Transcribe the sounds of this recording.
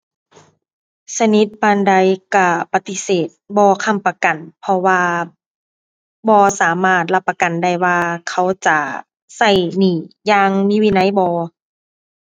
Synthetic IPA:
sa˧ni˧˦t̪̚baː˧˨nda˧˥jka˧˩pa˧˦t̪i˧˦seː˨˩t̪̚bɔː˧kʰa˧˥˨mpa˧ka˨npʰɔ˧waː˧ | bɔː˧saː˨˩˦maː˧˩t̪̚la˧˦pːa˧ka˨˩nda˧˩jwaː˧kʰa˧˩wt͡ɕa˧˩ | sa˧˩jniː˨˧˩jaː˧ŋmiː˧˥˨wiː˧˥˨na˧˥˨jbɔː˧˦

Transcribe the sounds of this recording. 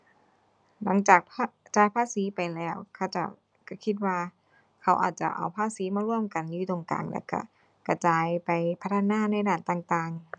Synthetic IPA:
la˨˦ŋt͡ɕaː˨˩k̚pʰt͡ɕaː˧jpʰaː˧˥˨siː˨˦˥pa˨˧jlɛː˧˩˨wkʰa˧˩wt͡ɕa̰˧˩ | kʰa˧˩kʰi˧˥t̪̚waː˧ | kʰa˦˥wʔa̰ː˨˩t̪̚t͡ɕa̰˧˩ʔa̰˧wpʰaː˧˥˨siː˨˦maː˧ɾu˥˩əmka˧˨njuː˧˥˩t̪o˧ŋka̰ː˧˨˩ŋlɛ̰ː˧˩wka̰˧˩ | ka˧˩t͡ɕaː˧jpa˨jpʰa˦˥t̪ʰːnaː˧˥˨na˧˩˨jdaː˨˩nt̪aː˨˩ŋt̪aː˨˩ŋ

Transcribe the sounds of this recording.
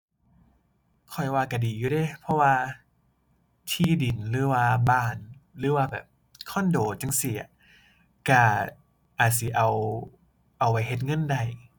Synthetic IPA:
kʰɔ˨˩jwaː˧ka˧˩diː˨˩juː˧de˧˩˨pʰɔ˧waː˧ | t̪ʰiː˧˩di˨˩nlɯː˨˦waː˧baː˧˩nlɯː˨˦waː˧bɛ̰ː˨˩p̚ | kʰɔː˧˥˨ndoː˨˩t͡ɕa˧ŋsi˧˩˦ɐ̰˦ | ka˧˩ | ʔaː˨˩t̪̚si˨˦ʔa˨˩w | ʔa˨˩wa˧jhe˧˦t̪̚ŋɤ˧˥˨nda˧˩j

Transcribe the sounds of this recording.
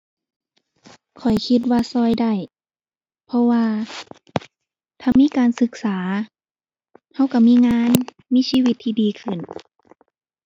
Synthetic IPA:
kʰɔ˨˩jkʰi˧t̪̚waː˧sɔː˧˩˨jda˧˥˩j | pʰɔ˧waː˧ | t̪ʰaː˧˩miː˧˥˨kaː˨nsɯ˧k̚saː˩˦ | ha˧˥˩wka˧˩miː˧˥˨ŋaː˧˥˨n | miː˧˥˨siː˧wi˧t̪ʰːiː˧diː˨kʰɯ˧˩n

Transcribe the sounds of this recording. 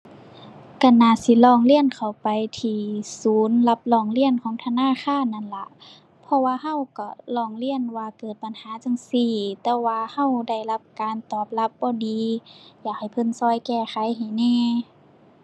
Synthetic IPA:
ka˧˩naː˧˩si˧˦lɔː˧˩ŋli˧˩ənkʰa˨˩wpa˨jt̪ʰiː˧suː˨˦nla˧p̚lɔː˧˩˨ŋli˧˥˩ənkʰɔː˨˦ŋt̪ʰa˧naː˧˥˨xʰaː˧˥˨nːa˧˥˨nla˧˦ʔ | pʰɔ˧waː˧ɦa˧˥˨wka˧˩lɔː˧˩ŋli˧˩˨ənwaː˧kɤː˨˩t̪̚pa˨nhaː˨˦t͡ɕa˧ŋsiː˧˩t̪ɛː˧waː˧ha˧˥˨wda˧˩jla˧p̚kaː˨nt̪ɔː˨˩p̚la˧˦˥p̚bɔː˧˦diː˨˧jaː˨˩k̚ha˨˩jpʰɤ˧˥˨nsɔː˧˩˨jkɛː˧˩xa˨˦jɦa˨˩jnɛː˧˩˨

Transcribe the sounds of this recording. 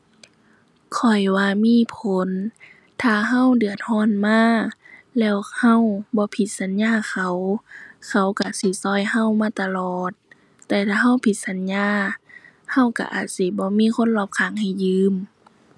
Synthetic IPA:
kʰɔ˨˩jwaː˧miː˧˥˨pʰo˨˦n | t̪ʰaː˧˩ɦa˧˥˨wdɯ˨˩ət̪̚hɔː˧˥˨nmaː˧˥˨lɛː˧˩˨wha˧˥˨wbɔː˧˦pʰi˧˦t̪̚sa˨˦nɲaː˧˥˨kʰa˧˦wkʰa˧˦˩wka˧˩si˧˦sɔː˧˥˨jha˧˥˨wmaː˧˥˨t̪a˧lɔː˨˩t̪̚ː | ɛː˧t̪ʰaː˧˩ɦa˧˥˨wpʰi˧˦t̪̚sa˨˦nɲaː˧˩˨ | ha˧˥˨wka̰˧˩ʔa̰ː˨˩t̪̚si˧˦bɔː˧˦miː˧˥˨kʰo˧˥˨nlɔː˧˩p̚kʰaː˨˩˦ŋha˧˨˩jːɯː˧˥˨m

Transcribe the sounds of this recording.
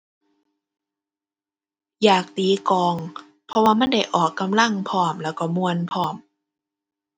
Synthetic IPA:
jaː˨˩k̚t̪iː˨˦kɔː˨˧ŋ | pʰɔ˧waː˧ma˧˥˨nda˧˩jʔɔː˨˩kːa˧mla˧˥˨ŋpʰɔː˧˩mlɛː˧˥˩wkɔ˧˩mu˧ənpʰɔː˧˩m

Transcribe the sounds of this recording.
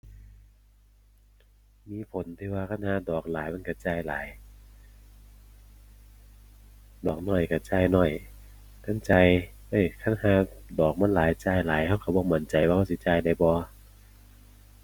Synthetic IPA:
miː˧˥˨pʰo˨˦nt̪ʰiː˧waː˧kʰa˧˥˨nhaː˧˦dɔː˨˩k̚laː˨˦jma˧˥˨ka˧˩t͡ɕaː˧˩jla̰ː˨˦j | dɔː˨˩k̚nɔː˧˩jka˧˩t͡ɕaː˧˩jnɔ˧˩j | t̪a˧˥˨nt͡ɕa˧j | ʔɤ˧˩jkʰa˧˥˨nhaː˧˦dɔː˨˩k̚ma˧˥˨laː˨˦jt͡ɕaː˧˩jlaː˨˦jha˧˩wkʰa˧˩bɔː˧˨ŋma˧˩˨nt͡ɕa˨jwaː˧ha˧˩wsi˧˦t͡ɕaː˧jda˧˩˦jbɔː˧

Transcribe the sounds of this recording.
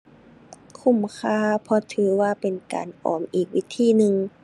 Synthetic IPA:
kʰu˧˩˨mkʰaː˧˥pʰɔ˧t̪ʰɯː˨˦waː˧˨pe˨nka̰ː˨nʔɔ̰ː˨˩mʔiː˨˩k̚wi˦˥t̪ʰiː˧˥˨nɯ˧ŋ

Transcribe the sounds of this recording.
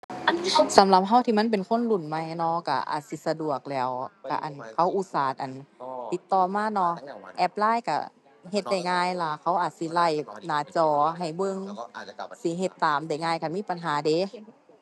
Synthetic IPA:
sa˨˦mla˧˦p̚ɦa˧˩˨wt̪ʰiː˧˨ma˧˥˨np̬e˨nkʰo˧˥˨nlu˧˩˨nma˧jnɔ˧˥ka̰˧˩ʔa̰ː˨˩t̪̚si˧˦sa˧du˨˩ək̚lɛː˧˩wka̰˧˩ʔa˨˩nkʰa˧˩wʔu˧saː˨˩˦t̪̚ʔa˨˩nt̪i˧˦t̪ːɔː˧˩maː˧˥˨nɔ˧ʔɛ˧p̚laː˧˥˨jka̰˧˩ | ɦe˧t̪̚da˧˩jŋaː˧jla˧kʰa˧˩wʔaː˨˩t̪̚si˧˦la˧˩jnaː˧˩t͡ɕɔː˧˩ɦa˨˩jbɤ˧ŋ | si˧˦ɦe˧˦t̪ːaː˨˦mda˧˩jŋaː˧jkʰa˧˩miː˧˥˨pa˨nɦaː˨˦de˨˦

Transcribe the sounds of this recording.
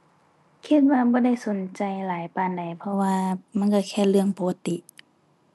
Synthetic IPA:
kʰi˧t̪̚waː˧bɔː˧˦da˧˥˩jso˨˦nt͡ɕa˧jlaː˨˦jpaː˧˩˨nda˨˩jpʰɔ˧waː˧ma˧˥˨nka˧˩kʰɛː˧˩lɯ˧˩əŋpoː˧˦ka˧t̪i˧˨ʔ

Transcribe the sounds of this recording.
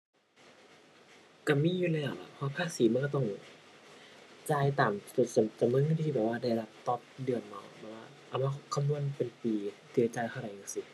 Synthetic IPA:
ka˧˩miː˧˥˨juː˧˩la˧˨jaː˨˩k̚la̰˧˩pʰɔ˧waː˧pʰaː˧˥˩siː˨˦ma˧˥˨kɔ˧˩t̪ɔ˧˥˩ŋ | t͡ɕaː˧˩jt̪aː˨˩mo˨˧˩st͡ɕa˨˧˩mɯ˧˥˨nɯː˧˥˩t̪ʰiː˧˩bɛː˨˩waː˧˩da˧˩ja˧˨da˧˩p̚t̪ɔ˧˦p̚dɯ˧˩ənma˧˩wbɛ˨˩k̚waː˧˩ʔa˨˩wmaː˧˩kʰkʰa˧mnu˧˥ə˨npe˨npiː˨˧ | t̪ɯ˧˩t͡ɕaː˧˩jk̪ʰa˧˩˨ɾa˨˩ja˧˩ŋsi˧˦

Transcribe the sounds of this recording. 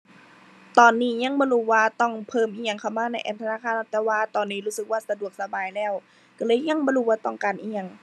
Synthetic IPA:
t̪ɔː˨˩nːiː˧˩ɲa˧˥˨ŋbɔː˧˨luː˧˩waː˧t̪ɔ˧˩ŋpʰɤː˧˥˨mʔiː˧˩ɲa˧˩ŋkʰa˧˩wmaː˧˨na˧jʔɛ̰ː˧˩p̚t̪ʰa˧naː˧˨kʰaː˧˨ʔt̪ɛː˧˩waː˧t̪ɔː˨nːiː˧˩ɾuː˧˥sɯ˨˦k̚waː˧˩sa˧du˨˩ək̚sa˧baː˨˩jlɛː˧˥˩w | ka˧˩lɤː˧˩˨jɲa˧˥˨ŋbɔː˧˨luː˧˩waː˧t̪ɔ˧˩ŋkaː˨nʔiː˧˩ɲa˧˨ŋ

